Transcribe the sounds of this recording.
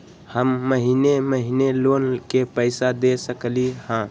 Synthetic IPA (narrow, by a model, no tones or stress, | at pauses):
həmːəɦineməɦineloːnkepəɪsad̪esəklihãː